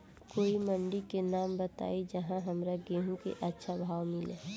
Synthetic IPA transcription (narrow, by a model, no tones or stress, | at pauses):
koːiməɳɖikenaːmbət̪a̰ːid͡ʒəɦãɦəmɾaɡeɦũkḛʔətːʃʰabʱaːwmɪlḛː